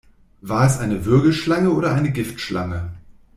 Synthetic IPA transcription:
vaːɐɛsʔaɪnəvʏɐɡl̩ʃlaŋəoːɾɐʔaɪnəɡɪftʃlʔa̰ŋə

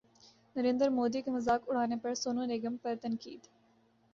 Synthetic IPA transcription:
nəɾẽːnd̪əɾmoːd̪iːkeməzaːkʊɽ̤aːnepəɽsoːnõːneːɡəmpəɾt̪ənkḭːd̪

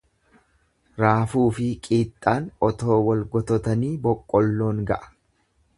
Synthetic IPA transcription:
ɾaːfuːfɪkʼiːt̪ʼːaːnʔɔt̪o̞ːwɔlɡɔt̪ɔt̪ɐniːbɔkʼːɔlːo̞ːŋɡɐʔɐ̥

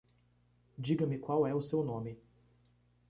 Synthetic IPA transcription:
d͡ʒiɡɐmikwawɛwsɛunɔmi

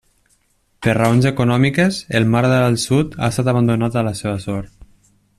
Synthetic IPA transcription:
pəɾrəonzəkunɔmikəzəlˠmaɾðəəlˠsut̪a̰st̪at̪aβand̪unat̪ələseβəsɔɾt̪

